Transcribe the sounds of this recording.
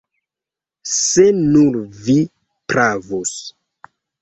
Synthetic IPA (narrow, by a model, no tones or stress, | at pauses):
senunvi | pɾavos